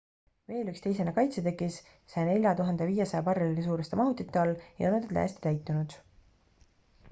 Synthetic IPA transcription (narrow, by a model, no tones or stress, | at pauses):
ve̞ːlykst̪e̞jsenekɑjt̪set̪e̞kːˑis | sɑjne̞lʲjɑt̪uɦɑnd̪eviːjesɑjɑpɑrːililis̬uːɾest̪emɑɦut̪ːˑit̪ːˑeɑljɑ̰onɑd̪ed̪læ̰ːst̪i̥t̪æjt̪ːˑunud̪̥